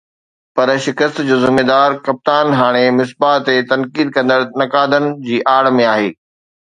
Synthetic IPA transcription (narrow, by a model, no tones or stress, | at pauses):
pɐɾʃɪkəst̪d͡ʑoːzɪmeːd̪aːɾkɐp̚t̪aːnɦaːɽ̃emɪs̬baːt̪ːet̪ɐnkiːd̪̚kɐ̃nd̪əɾnɐkaːd̪ənɪ̆d͡ʑiːʔaːɽmẽaːɦeː